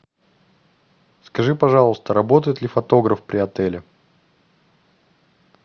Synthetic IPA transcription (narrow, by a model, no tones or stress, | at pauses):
skɐʐɨpɐʐɑlˠəst̪əɾɐbo̞t̪əjɪt̪lʲɪfɐt̪o̞ɡɾəfpɾʲɪɐt̪ɛlʲɪ